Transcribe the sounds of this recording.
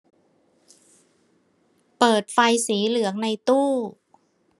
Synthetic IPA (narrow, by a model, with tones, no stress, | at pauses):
pɤː˨˩t̪̚fa˧jsiː˩˦lɯ˩˦əŋna˧jt̪uː˥˩